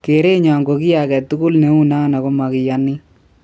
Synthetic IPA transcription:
ke˨ɾe˦ɲɔ˨ŋɡo˨ki˦ja˨kɛ˨tu˦ku˦lne˨˦u˦na˦na˨ko˦ma˨kɪ˨ja˦ni˦

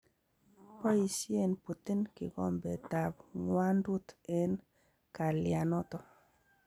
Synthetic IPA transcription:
pɔ˦i˨si˦e˦˨npu˨t̪i˦nkɪ˨ɣɔ̰˨mbɛ˨ta˨bŋwa˦ndu˦te˨n | ka˨lja˨nɔ˦tɔ˦

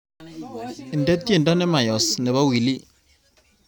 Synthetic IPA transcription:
ɪ˨ndɛ˦ti˦e˨ndɔ˦nɛ˦ma˨jɔ˨snɪ˨βa˦wi˨li˦

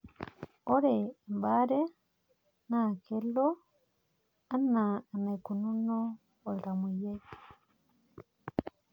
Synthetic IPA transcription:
o˦ɾeː˨mba˦ɾe˦ | na˨ke˦lo˦ | a˦naː˨na˨iku˨nu˦noː˨ | lɾa˨muje˦

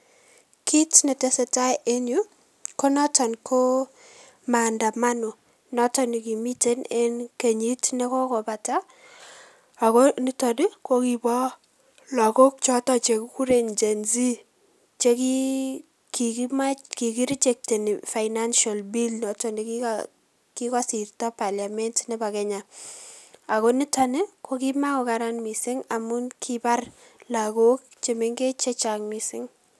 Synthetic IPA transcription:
ki˦tnɛ˨te˨se˨ta˦ʔe˦nju˦ | ko˦nɔ˦tɔ˨nko˦ | ma˨nda˨ma˦no˨ | nɔ˦tɔ˨nɪ˨ki˨mi˦te˦ne˦nke˨ɲi˦tnɛ˦kɔ˦kɔ˨ba˨ta˦ | a˨ko˦nɪ˦tɔ˨di˦ko˦ki˨bɔ˦ | lɔ˨kɔ˦k̚t͡ʃɔ˦tɔ˨t͡ʃe˨kku˦ɾe˨nd͡ʒe˨nzi˦ | t͡ʃe˦ki˦ | ki˨kima˦ki˨ki˦ɾi˦t͡ʃe˨k̚te˨ni˨fa˨jna˦nʃa˨lbi˦lnɔ˨tɔni˨ki˦ | ki˦kɔ˦si˨rtɔ˦pa˨lja˨mɛ˦ntnɛ˦ba˨kɛ˦ɲa˨ | a˨ko˦ni˦ta˨ni˦kʰo˦ki˦ma˦ko˨ka˨ɾa˦nmi˨sɪ˦ŋa˨mu˦nkʰiba˦r | la˨ɡo˦k̚t͡ʃe˨me˦ŋɡe˦t͡ʃɛ˦t͡ʃa˨ŋmi˨sɪ˦ŋ

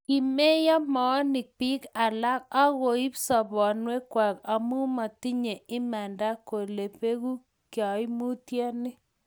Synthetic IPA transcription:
ki˨me˦jɔ˦mɔ˨˦nɪ˨k̚pi˦ka˨la˦ka˦ɣo˨i˦psɔ˨bɔ˨nwe˦kwa˨ka˨mu˦ma˨ti˦ɲe˨ɪ˦mɛ˨nda˦ko˨le˨pe˦ɣu˦ | kjɔ˨i˦mu˦tja˦nɪ˦

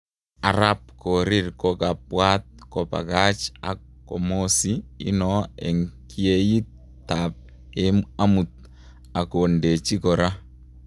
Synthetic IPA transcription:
a˨ɾa˦p̚ko˨ɾi˦ɾkɔka˨pwa˦t̪̚kɔ˨pa̰˨ɣa˦t͡ʃa̰˨ | kɔ˨mo˦si˦ḭ˦nɔ˦e˨ŋkʰie˦ji˦ | t̪ap̚ | ema˦mu˨t̪̚ | a˨ko˨nde˨t͡ʃi˦koɾa˦

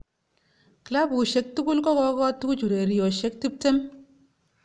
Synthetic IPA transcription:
kla˦bku˨ʃe˨k̚tu˦ku˦lkɔ˦kɔ˦kɔ˦tu˦ku˦t͡ʃu˨ɾe˨ɾi˨jɔ˨ʃe˨˦k̚ti˦p̚te˦m

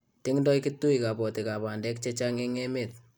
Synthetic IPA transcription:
tɪ˦ŋndɔ˦ikɪ˦tːu˦i˨ka˨pɔ˨ti˨ka˨pa˨ndɛ˦k̚t͡ʃe˦t͡ʃa˦ŋe˦ŋe˦met̚

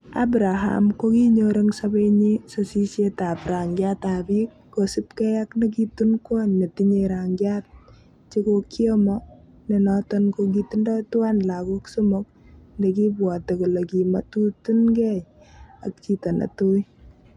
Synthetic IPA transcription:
a̰bɾa˨ɦa̰mkoki˦ɲoɾe˦ŋsabe˦ɲiso˨si˦sje˦ta˨pɾa˨ŋɡjata˨bi˦kːo˨sipkɛ˦ja˦knek̬itunkɔ˦nne˨tiɲe˨ɾaŋɡjat̚ | t͡ʃe˦kokjɔ˦mɔ | ne˨nɔtɔnkok̬iti˦ndɔ˦twa˦nla˨kɔ˦ksu˦mok̚ | ndek̬i˦bwɔ˨te˨ku˨le˨ki˨ma̰˦tu˦tu˦nkɛ˦j | a̰˨k̚t͡ʃi˦tɔ˨na̰˨tu˦i˦

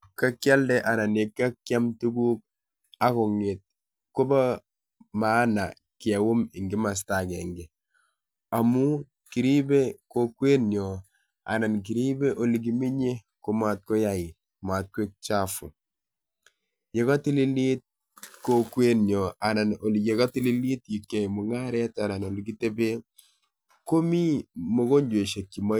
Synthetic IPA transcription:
ka˦kja˦ldɛ˦ʔa˨na˨ne˨kːa˦kja˦mtu˦ɡuː˦k̚ | a˦ku˨ŋi˨t̚ | ko˦ba˦ | ma˦na̰˨ | ki˨a˨wu˦mi˨ŋɡi˦ma˨s̬ta˨ke˨ŋɡe˨ | a˨mu˦ | ki˨ɾi˦be˦ko˦kwe˦njo˨ | a̰˨na˨nk̬i˨ɾi˦be˦ʔo˨li˨ɡ̬i˨mi˦ɲe˦ | ko˦ma˨t̚ko˦ja˨ɪ˨ | ma˨t̚kwe˦k̚t͡ʃa˦fʊ˨ | je˨kɔ˦ti˦li˦li˦t̚ | ko˦kwe˦njɔ˨a˨na˨no˨li˨ɡe˨ɡɔ˦ti˦li˦li˦tji˨kːe˨mʊ˨ŋa˦ɾɛ˦ta˨na˨no˨liɡi˦te˦be˦ | ko˦mi˦mo˦ɡo˦ɲd͡ʒwe˨ʃe˨kːi˨ma˦

